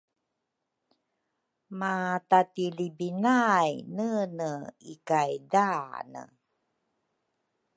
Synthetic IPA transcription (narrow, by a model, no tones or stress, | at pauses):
matatilibinajnənəikajdanə̰